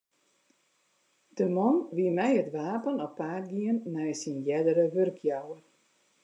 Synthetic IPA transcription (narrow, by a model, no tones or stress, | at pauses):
d̥əmɔnʋiəmɛjətʋaːpənɔpːaːɡiənːɛjsinjɛdəɾəʋørkʰjawər